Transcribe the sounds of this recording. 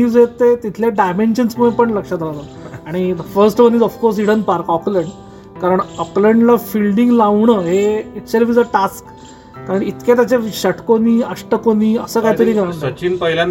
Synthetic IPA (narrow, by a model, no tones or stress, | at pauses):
ud͡zet̪ːet̪it̪ʰljaɖajmenɕənsməẽpəɳləkʂat̪aʋat̪ | aɽ̃id̪əfəɾsʈʋənid͡zɔfkoɾs̬iɽənpaɾkɔpləɳɖ | kaɾəɳəpləɳɖlafilɖĩŋɡlaʋɳəːɦeiʈselʋiːd͡zəʈask | kaɾəɳit̪ket̪jat͡ɕeɕəʈʰkoniːəʂʈəkoniːəsəːkajt̪əɾiːkɾãət͡ɕiːnpəɦilã